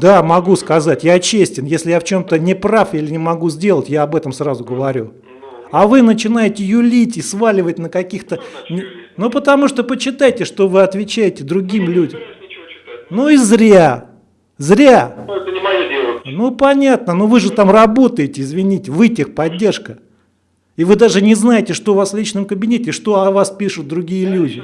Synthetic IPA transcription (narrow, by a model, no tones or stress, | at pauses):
d̪amɐɡuskɐzatʲjat͡ɕesʲtʲɪnjesʲlʲɪjaft͡ɕo̞mt̪ənʲɪpɾafilʲɪnʲɪmɐɡuzʲdʲe̞lˠətʲjaɐbɛt̪əmsrazʊɡəvɐɾʲu | ɐvɨnət͡ɕɪn̪ajɪtʲɪjʊlʲitʲɪsvalʲɪvət̚ʲnəkɐkʲixt̪ənʲnupət̪ɐmuʂt̪opəɕːɪt̪ajɪtʲɪʂt̪ovɨɐt̪vʲɪt͡ɕæjɪtʲɪd̪ɾʊɡʲimlʲudʲəm | nuizɾʲa | zɾʲa | nupɐnʲat̪̚nənuvɨʐɨt̪amrɐbo̞t̪əjɪtʲɪɪzvʲɪnʲitʲɪvɨtʲɪxpɐdʲːe̞rʂkə | ivɨd̪aʐɨnʲɪznajɪtʲɪʂt̪ovaslʲit͡ɕnɨmkəbʲɪnʲetʲɪɪʂt̪o̞ɐvaspʲiʂʊt̪̚d̪ɾʊɡʲijəlʲudʲɪ